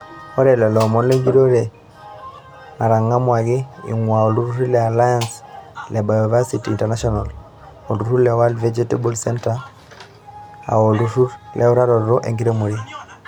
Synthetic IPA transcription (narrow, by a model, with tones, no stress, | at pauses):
ɔ˦ɾɛ˨lɛ˨lɔ˨mɔ˦nle˦ŋɡi˦ɾo˦ɾe˨ | na˨ɾa˨ŋa˦mwa˨ɣi˦ḭ˨ŋwa˨o˨lu˦ɾu˦ɾu˦lɛa˨la˦janslɛ˨bajɔva˦sitiːntana˦ʃɔna˨l | o˨lu˨ɾu˦lɛwa˦ldvɛd͡ʒɛtebɔlsɛnta | a̰˨o˨lu˦ɾu˦ɾlʔɛ˦u˦ɾa˦ɾɔɾɾɔ˦ʔe˨ŋɡi˦ɾe˦mu˨ɾi